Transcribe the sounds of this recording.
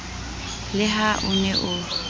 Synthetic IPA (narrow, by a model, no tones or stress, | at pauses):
lɪɦaʔʊnɛʔʊ